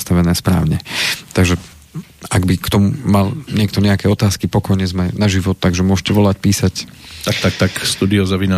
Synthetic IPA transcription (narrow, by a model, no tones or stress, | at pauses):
st̪aʋɛnɛːspɾa̰ːʊɲɛt̪aɡʒɛ | aɡbikt̪ɔmumalɲɪɛk̚t̪ɔɲɛakɛɔt̪aːskipɔkɔjɲɛzmɛnaʒiʋɔt̪ːaɡʒɛmʊɔʃcɛʋɔlacpiːsact̪ak̚t̪ak̚t̪akst̪uːd̪iɔzaʋina